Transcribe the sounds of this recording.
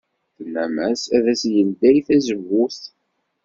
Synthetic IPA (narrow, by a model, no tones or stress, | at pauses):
θənːæmæsæðæsjənd̪æjθæzəvːuθ